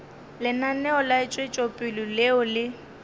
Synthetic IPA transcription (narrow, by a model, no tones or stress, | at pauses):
lɪnanɛɔlat͡ʃʼwet͡ʃʼopʼɪlʊlɛɔlɪ